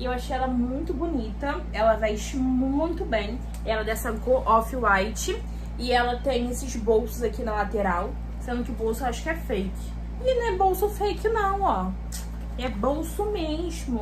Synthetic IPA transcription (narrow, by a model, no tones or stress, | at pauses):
ewaʃejɛlɐɛmũj̃t̪ʊbunit̪ɐ | ɛlɐvajʃmuũj̃t̪ʊbẽj̃ | ɛlɐd̪ɛsɐ̃koʔɔfiwajt͡ʃɪ | ɪɛlɐt̪ẽj̃esɪzbowsʊzakinɐlat̪eɾaw | sẽnd̪ʊkɪʊbowsʊaʃʊ̥kɪɛfejkɪ | ɪnɛ̃bowsʊfejkɪnɐ̃w̃ɔ | ɛbowsʊmeʒmʊ